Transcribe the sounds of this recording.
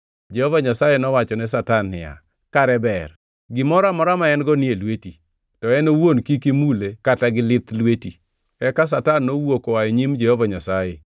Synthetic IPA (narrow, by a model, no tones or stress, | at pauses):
d͡ʒehovaɲasajenɔwat͡ʃɔnɛsatanːɪ̰ja̰ | kaɾɛbɛr | ɡɪmɔɾamɔɾamaɛnɡɔnɪelweti | tɔɛnowonkikimulekataɡɪlɪt̪lweti | ɛkas̬atanːowokoaeɲimd͡ʒɛhovaɲasaje